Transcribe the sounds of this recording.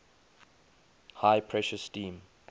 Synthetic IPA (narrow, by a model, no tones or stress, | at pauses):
haɪpʰɹɛʃəsːtĩːm